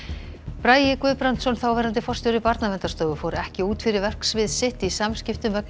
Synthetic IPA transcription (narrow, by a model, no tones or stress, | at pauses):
pɾaːjɪkvʏːpɾant̪sɔnθawvɛːɾant̪ɪfɔr̥st̪ɔɾɪpaɾt̪navɛnt̪ast̪œːɣʏfoːwɾɛhcɪuːt̪fɪɾɪɾvɛr̥ksvɪðsɪht̪isamscɪft̪ʏmvɛkn